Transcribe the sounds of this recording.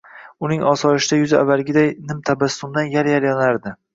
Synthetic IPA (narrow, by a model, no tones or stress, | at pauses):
ʊnɪŋɒsɒɾɪʃɪd̪ajʊza̰vːalɡʲɪd̪ajnɪmt̪ʰabasːʊmd̪anjaljaljɒnaɾd̪ɪ